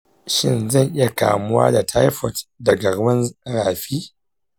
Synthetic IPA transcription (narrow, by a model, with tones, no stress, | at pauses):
ʃɪ˦˨nzɐ˦˨ŋʔɪ˦ja˨ka̰ː˨mʊ˦wa̰ː˦da˨tʰa˦jɸɔ˨tdɐ˨ɡɐ˨ɽwɐ˦nɾaː˨ɸiː˦